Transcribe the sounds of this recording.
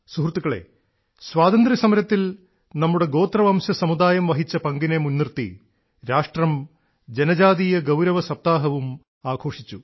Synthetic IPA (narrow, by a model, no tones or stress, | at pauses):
suɦrt̪ːukːɐɭe̞̰ː | sʋaːd̪ɐnd̪risɐmɐɾɐt̪ːil | nɐmːuɽe̞ɡo̞ːt̪rɐʋɐːmɕɐsɐmud̪aːjɐmʋɐɦit͡ɕːɐpɐŋɡinemunːirt̪ḭ | ɾaːʂʈrɐm | d͡ʑenɐd͡ʑaːðijɐɡɐwɾɐʋɐsɐp̚t̪aːɦɐʋum | aːɡʰʱo̞ːʂit͡ɕːu